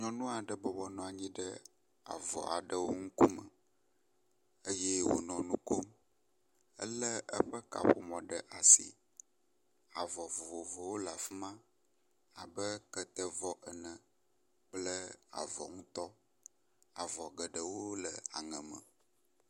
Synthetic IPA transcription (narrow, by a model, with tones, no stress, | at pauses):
ɲɔ̃˨nũ˦a˨ɖə˨bɔ˨bɔ˦nɔ̃˨a˨ɲĩ˦ɖə˦ | a̰˨vɔ̰˨a˨ɖə˦wo˦ŋu˦ku˦mə̰˨ | ə˦jɛ˦wo̰˨nɔ̃˨nũ˦ko˦m | ə̰˦lə˦ʔə˦ɸə˦ka̰˨ɸo̰˨mɔ̃˨ɖə˦˨ʔa˨sḭ˨ | a˨vɔ˨vo˨vo˨vo˨wo˦la˨fi˦mã˦ | a˨bə˦kə˦t̪ə˦vɔ˦ʔə˨nə̃˨ | k͡plə˦a̰˨vɔ̰˨ŋũ˦t̪ɔ˦ | a˨vɔ˨ɡə˨ɖə˨wo˦lə˨a̰˨ŋə̃˨mə̰̃˨